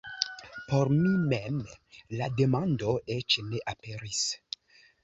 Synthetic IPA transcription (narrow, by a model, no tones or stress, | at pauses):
poɾmimemlade̞mandoet͡ʃneʔapeɾis